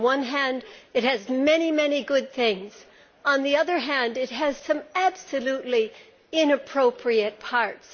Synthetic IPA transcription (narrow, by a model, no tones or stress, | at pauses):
wʌ̃nɦæ̃ndɨt̚hɨzmɛñimɛniɡʊd̪̚θɪ̃ŋz̥ | ə̃nðiʌðə˞ɦæ̃ndɨt̚ɦɨz̥sʌ̃mæb̥sɨlutˡli | ɪ̃nɨpʰɹ̥oʊpʰɹiɨt̚pʰɑɹts